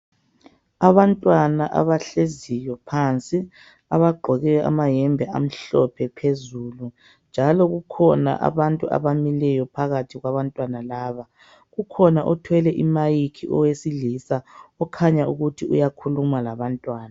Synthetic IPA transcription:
aβantʼwanaʔa̰βaɬezijɔpʰant͡sʼi | a̰βaɡ͡ǃʱɔɣɛjɔa̰majɛmbʱɛa̰m̩ɬɔpʰɛpʰezuːlu | nd͡ʒʱalɔɣukʰɔna̰ʔa̰βantʼua̰βamilɛjɔpʰaɣatʰiɣwaβantʼwanalaːβa | ɣukʰɔnaʔɔtʰwɛlɛʔimajikʰiʔɔwesilisaɔkʰaɲauɣutʰiṵjakʰulumalaβantʼwaːna

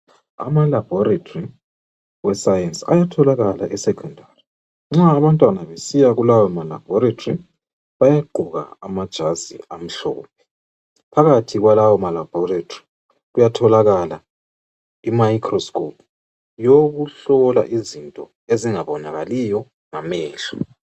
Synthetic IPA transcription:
a̰malab̥ʱɔɾatʰʼori | wɛsajensa̰jatʰɔlaɣala̰ʔɛsɛkʰɔndʱaːri | ŋ͡ǁaːβantʼwanaβesijaɣulawɔmala̰b̥ʱɔɾatʰʼri | βajaɡ͡ǃʱuɣa̰a̰mad̥ʒ̥ʱazḭam̩ɬɔ̰ːp̚ʰɛ | pʰaɣatʰiɣwalawɔmalab̥ʱɔratʰʼri | ɣujatʰɔlaɣala | imajikʰrɔskʰʼɔpʰ | joɣuɬɔla̰ʔizintʼɔ̰ | eziŋaβɔnaɣalijɔ | ŋamɛːɬḁ

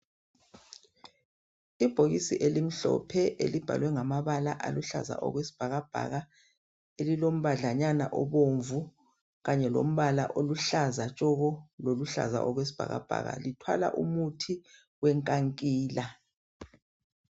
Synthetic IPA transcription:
ib̥ʱoɣisiʔelim̩ɬɔ̰pʰɛʔḛlib̥ʱa̰lwɛŋamaβalaʔaluɬa̰za̰ʔɔ̰ɣwesi̥b̥ʱaɣab̥ʱa̰ɣa | elilom̩βaɮaɲanaʔɔ̰βoɱvu | ɣaɲɛlo̰m̩βala̰ʔoluɬazat͡ʃʼɔɣɔloluɬa̰za̰ʔɔɣwesi̥b̥ʱa̰ɣa̰b̥ʱa̰ɣa̰litʰwa̰la̰ʔumutʰi | wɛŋkʼaŋkʼiːla

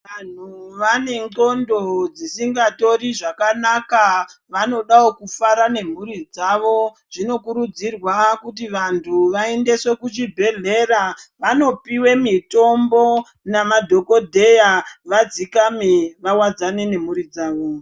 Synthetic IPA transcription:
ʋan̤uʋane̞ŋɡo̞ndo̞d͡zisiŋɡato̞riʐakanakaʋano̞ɗaokufaɾane̞m̤uɾid͡zaʋo̞ | ʐ̥ino̞kuɾud͡zirwakut̬iʋantʰuʋae̞nde̞se̞kut͡ʃibʱe̞ɮe̞raʋano̞piwe̞mito̞mbo̞ | namadʱo̞ko̞dʱe̞jaʋad͡zikameʋawad͡zane̞ne̞m̤uɾid͡zaːʋo

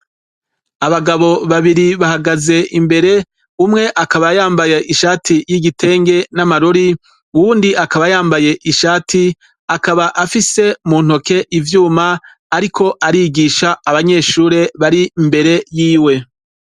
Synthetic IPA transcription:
aβaɡaβo̞βaβiɾiβahaɡaze̞ʔimbe̞ɾe̞ | umŋe̞ʔakaβajaːmbajeʔiʃaːtʰijiɡitʰe̞ːŋɡe̞namaɾoɾi | uwuːndiʔakaβajaːmbaje̞ʔiʃaːtʰi | akaβaʔafise̞muːn̥ho̞ke̞ʔivjuːmaː | ɾikʰo̞ʔaɾiːɡiʃaːβaɲe̞ːʃuːɾe̞βaɾimbe̞ɾe̞jiːwe̞

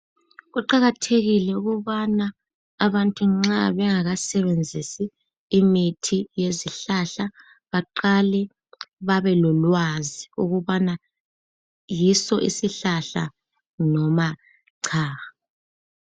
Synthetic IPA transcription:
ɣuǃaɣatʰeɣilɛuɣuβana | aβantʼuŋ͡ǁaβɛŋaɣasɛβend͡zʱisiː | mitʰijeziɬaɬa | βaǃalɛ | βaβɛlɔlwaziuɣuβana | jisɔʔisiɬaɬa̰ | nɔma | ǀʰaːɣa

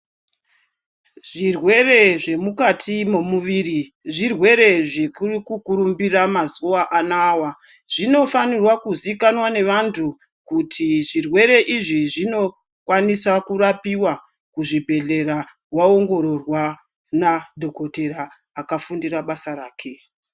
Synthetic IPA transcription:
ʐ̥irwe̞re̞ʐe̞mukatʰimomuʋiːri | ʐirwe̞ɾe̞ʐekurikukuɾumbiramazuaʔanaːwaʐ̥ino̞fanirwakuzikanwane̞ʋantʰu | kutʰiʐirwe̞ɾe̞ʔiʐiʐino̞ | kwanisakurapiwa | kuʐibʱe̞ɮe̞ɾa | wao̞ŋɡo̞ɾo̞rwa | nadʱo̞kote̞ɾaː | kafundiraɓasaɾaːkʰe̞

